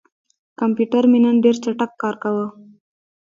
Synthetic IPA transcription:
kampjuʈaɾminənɖeɾt͡ʃaʈakːɑɾkawə

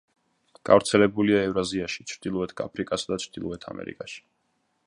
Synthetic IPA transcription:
ɡ̥a̰vɾt̪sʰɛlɛbuliaɛvɾaziaʃi̥t͡ʃʰɾd̪ilˠɔɛt̪ʰɡa̰pʰɾikʼasd̪at͡ʃʰɾd̪̥ilˠɔɛt̪ʰa̰mʔɛ̰ɾḭkʼaʃi̥

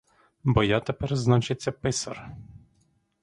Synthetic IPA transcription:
bɔjat̪ɛpɛrznat͡ʃet͡sʲːɐpɪsɐr

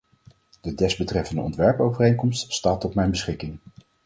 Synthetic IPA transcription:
d̥ədɛzbətrɛfəndə̰ɔ̰ntʋɛɹpowvərejŋkɔmststaːtɔtmɛjnbəsχɪkɪŋ

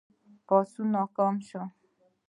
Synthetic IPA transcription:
pɔsunɔkɔmʃɔ

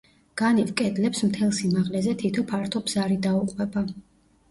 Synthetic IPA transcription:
ɡ̥anivkʼɛd̪lɛpsmt̪ʰɛlˠsimaʁlɛzɛt̪ʰit̪ʰɔpʰaɾt̪ʰɔbz̥aɾid̪auqʼwɛba

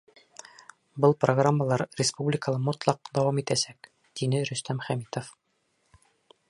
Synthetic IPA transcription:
bɤlˠproɡramːəlˠɑɾrʲɪspublʲɪkəlˠɑmŏt̪lˠɑq̚d̪ɑwɑmit̪æsæk | d̪̥inɘɾɵ̆st̪æmχæmit̪of

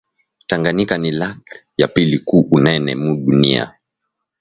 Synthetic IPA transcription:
taŋɡanikanilak | japilikuʔunɛnɛmuɗunia̰

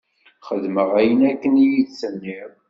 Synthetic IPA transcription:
χəðməʁæjənækːənijiðsənːiɾˤ

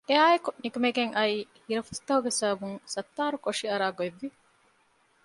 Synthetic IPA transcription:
eaːekunikumeɡeŋʔɐiːhiɾɐfust̪ːɐhuɡesɐːbuŋsɐt̪ːaːɾukoʂiɐɾaːɡoeʋːi

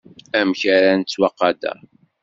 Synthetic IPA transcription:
æmçæɾænt͡sːwɑqːɑd̪æ̰

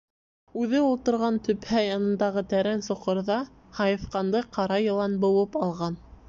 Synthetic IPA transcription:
ʉðɘulˠt̪ɤ̆ɾʁɑnt̪ɵ̆phæjɑnɤ̆nd̪ɑʁɤt̪æɾænsŏqɤ̆ɾðɑ | hɑjɤ̆fqɑnd̪ɤqɑɾɑjɤ̆lˠɑnbŏwɤpɑlˠʁɑn

